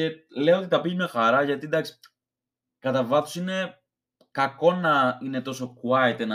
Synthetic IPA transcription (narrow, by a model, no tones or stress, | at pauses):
e̞le̞oo̞t̪it̪ɐpiʝmexɐɾɐʝɐt̪id̪ɐksi̥ | kɐt̪ɐvɐθusine̞ | kɐko̞nɐine̞t̪o̞so̞kuɐit̪enɐ